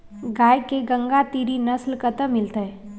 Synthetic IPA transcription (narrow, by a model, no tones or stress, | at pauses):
ɡaːjkeɡə̃ŋɡat̪iɾinɐslkət̪əmɪlt̪eɦɛ